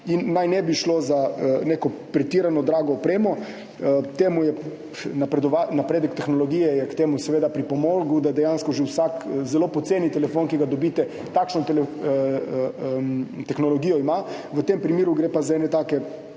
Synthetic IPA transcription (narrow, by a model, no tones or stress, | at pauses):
inːajnɛbiʃlozanekɔpɾɛt̪iːɾanɔd̪ɾaːɡɔːpɾeːmɔ | t̪eːmujɛ | napɾɛd̪ɔʋanapɾeːd̪ɛkt̪ɛxnɔlɔɡiːjɛjɛkt̪eːmusɛʋeːd̪apɾipɔmoɡud̪ad̪ɛjanskɔʒɛwsakzɛlopɔt̪seːnit̪ɛlɛfoːnkiɡad̪ɔbiːt̪ɛ | t̪akʃnɔt̪ɛlɛ | t̪ɛxnɔlɔɡiːjɔima | ʋət̪empɾimiːɾuɡɾepazaɛːnɛt̪aːkɛ